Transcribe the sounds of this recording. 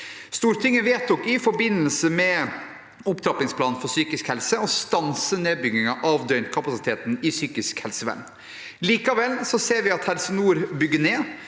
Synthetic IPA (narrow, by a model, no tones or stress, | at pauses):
st̪uːɾt̪ʰɪŋːəʋeːt̪ʰʊkɪfɔɾbɪnːəlsəmɛ | ʊpt̪ʰɾɑpɪŋspʰlɑːnn̩fɔsyːkɪskhɛlsəɔst̪ɑnsəneːbʏɡɪŋɑʔɑʋd̪œʏnt̪kʰɑpɑsɪt̪ʰeːt̪n̩ɪsyːkɪskhɛlsəʋæ̰ɳ | liːkɑʋɛlsɔseːɾʋɪɑt̪hɛlsənuːɾbʏɡːəneː